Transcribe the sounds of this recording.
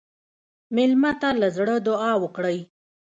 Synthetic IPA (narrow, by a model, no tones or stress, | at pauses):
mɪlmat̪alazɽəd̪ʊɑwəkɽəj